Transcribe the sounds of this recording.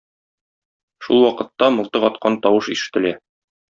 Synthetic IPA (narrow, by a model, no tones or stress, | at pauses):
ʃṵlˠwɒqɤ̆t̪ːɑmoɤ̆lˠt̪ɤqɒt̪̚qɑnt̪ɒwɤʃiʃɘ̥̆t̪ɘ̆læ